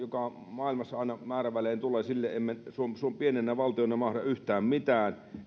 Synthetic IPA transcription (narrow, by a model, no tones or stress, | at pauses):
jokɑ | mɑˑilmɑsːɑɑˑinɑmæːræʋæleːnt̪ulesilːeʔemmensuomsuompienenːæʋɑlt̪ionɑmɑhrɑyht̪æːmmit̪æːn